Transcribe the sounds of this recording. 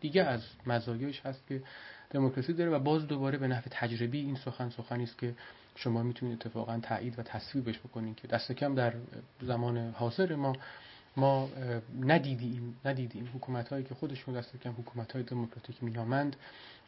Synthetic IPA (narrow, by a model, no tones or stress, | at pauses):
d̪̥iːɡææzmæzɒːjeeʃhæst̪cʰʲe̞d̪̥emokʰɾɒsiːd̪ɒːɾevæbɒːzd̪obɒːɾebe̞næhve̞t̪ʰæd͡ʒɾebiːiːnsoxænsoxæniːst̪̚cʰʲe̞ | ʃo̞mɒːmit̪ʰuniːet̪ʰːefɒ̰ːɣænt̪ʰæ̰ʔiːd̪væt̪ʰæsviːbeʃbo̞kʰo̞niːkʰed̪æst̪e̞cʰæmd̪æɾzæmɒːnehɒːze̞ɾemɒː | mɒːnæd̪iːd̪iːmnæd̪iːd̪iːmhokʰuːmæt̪hɒːjiːcʰexo̞d̪e̞ʃud̪æst̪e̞cʰæmhokʰuːmæt̪hɒːjed̪emokʰɾɒt̪ʰiːcmiːnɒːmænd̪